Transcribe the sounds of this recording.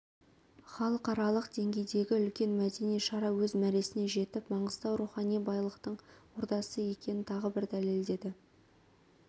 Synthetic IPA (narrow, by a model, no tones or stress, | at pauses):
χɑlˠəqɑɾɑlˠəqd̪̥e̞ŋɡʲe̞jd̪e̞ɡʲɪʏlkʲe̞nmæd̪e̞nijʃɑɾɑwɵzmæɾe̞sɪne̞ʒe̞t̪ɪpmɑɴəz̥t̪ɑwɾuχɑnijbɑjlˠəqt̪əɴwoɾt̪ɑsəje̞kʲe̞nɪnt̪ʰɑʁəbɪɾd̪æle̞ld̪e̞d̪ɪ